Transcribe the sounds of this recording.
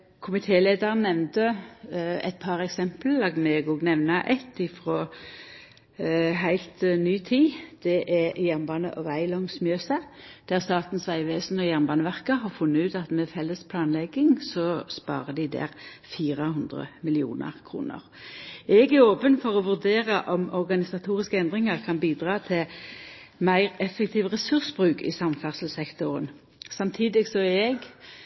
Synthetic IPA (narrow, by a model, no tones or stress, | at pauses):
kʰʊmɪt̪ʰeːleːd̪ɑʁənːɛʋnt̪ə | ɛ̰ɪt̪̚pʰɑʁɛksɛmplɑɡmɛɡɔɡnɛʋnɑʔɛt̪ɪfʁoː | ɦæɪlt̪nyːt̪ʰiːd̪̥ɛʔɛjæʁnbɑːnə̰ʔɔʋæɪlɔŋsmjøːsəd̪̥æʁst̪ɑːt̪n̩sæɪʋeːsn̩ɔjæʁnbɑːnəʋæʁkəɦɑʁfʉnːəʉːt̪ɑt̪mɛfɛlːəspʰlɑːnlɛɡɪŋsɔspɑ̰ːʁəd̪ɪd̪æ̰ːʁ | fiːʁəhʉnd̪ʁə̰mɪlɪṵːnə̰ʁkʰʁṵːnə̰ʁ | ɛɡæʁoːpənfɔʁɔʋʉʁd̪eːʁəʔɔmɔʁɡɑnɪsɑt̪ʰuːʁɪskəɛnd̪ʁɪŋəʁkʰɑnbiːd̪ʁɑːt̪ʰɪ | mæɪʁɛfːɛkt̪ʰiːʋʁɛsʉʁsbʁʉːkɪ̰sɑmfæʁsəl̩sɛkt̪ʊʁən | sɑmt̪ʰiːd̪ɪɡsɔɛɡ